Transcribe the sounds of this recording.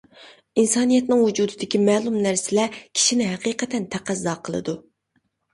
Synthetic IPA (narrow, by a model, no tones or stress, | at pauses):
insɑːnijɛt̪nɨŋwud͡ʒuːd̪ɨd̪ɪkʲimɛːlˠumnæɾsɪlɛkʲʰi̥ʃinɪɦɛqiːqɛt̪ʰɛnt̪ʰæqʰæzːɑːqʰəlˠɨ̰d̪u